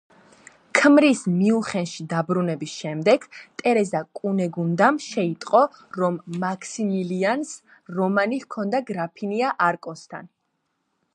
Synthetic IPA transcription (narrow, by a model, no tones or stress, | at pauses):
kʰmɾismiuχɛnʃid̪abɾunɛbisʃɛmd̪ɛɡt̪ʼɛɾɛzakʼunɛɡund̪amʃɛit̪ʼqʼɔ | ɾɔmːakʰsimilians | ɾɔmanihkʰɔnd̪aɡɾapʰiniaʔaɾkʼɔst̪ʰa̰n